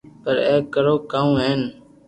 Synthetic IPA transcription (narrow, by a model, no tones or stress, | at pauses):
pəɾeːkːəɾoːkaːũːɦeːn